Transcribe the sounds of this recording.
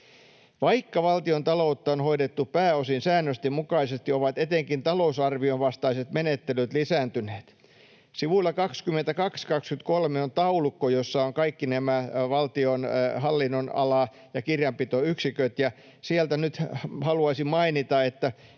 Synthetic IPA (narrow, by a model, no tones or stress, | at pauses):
ʋɑikːɑʋɑlt̪iont̪ɑlout̪ːɑonhoiɾet̪ːupæːosinsæːnːøst̪emmukɑisest̪ioʋɑt̪et̪eŋkint̪ɑlousɑrʋionʋɑst̪ɑiset̪menet̪ːelyt̪lisæːnt̪yneːt̪ | siʋulːɑkɑkskymːent̪ækɑkskɑkskyt̪kolmeont̪ɑulukːojosːɑoŋkɑikːinæmæʋɑlt̪ionhɑlːinːonɑ̰lɑ | jɑkirjɑmpit̪oyksikøt̪jɑ | siælt̪ænyt̪hɑluɑsimmɑinit̪ɑet̪ːæ